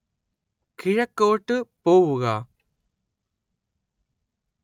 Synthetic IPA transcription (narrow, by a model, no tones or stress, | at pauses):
kʰɪɻɐkːoːʈːɯpoːʋuɣaː